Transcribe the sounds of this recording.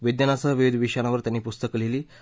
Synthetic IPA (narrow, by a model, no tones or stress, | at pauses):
ʋid̪janasəɦəʋiʋid̪ʱʋiʂaɽ̃aʋəɾt̪janːiːpust̪əkleliː